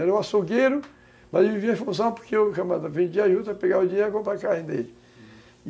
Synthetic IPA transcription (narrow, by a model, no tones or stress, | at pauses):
ɛɾɐũasoɡeɾʊ | mɐzewviviɐ̃fũs̬ɐ̃w̃poɾkeowʃamad̪ɐvẽd͡ʒiaʒud̪ɐpeɡaɾʊd͡ʒiɲeɾʊkõpɾakaẽd̪elɪ